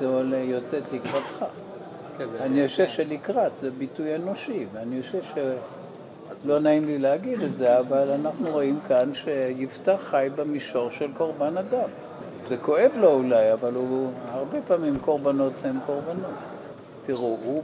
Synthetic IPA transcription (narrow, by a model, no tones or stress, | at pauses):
zeolejot͡set̪likʁat̪χa | anioʃevʃelikʁatzebitujeno̞ʃiveanioʃevʃe | lo̞naimlileaɡid̪etze̞avalanaχnuʁo̞imkanʃe̞jiftaχːajbemiʃo̞ʁʃelko̞ʁbanadam | zeko̞e̞vlo̞ulajavaluhaʁbe̞paːmimko̞ʁbano̞themkoʁbanotː | iʁuu